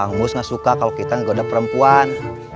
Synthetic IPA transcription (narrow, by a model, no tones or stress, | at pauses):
aŋmʊsŋasukakalokit̪aŋɡodapəɾəmpuan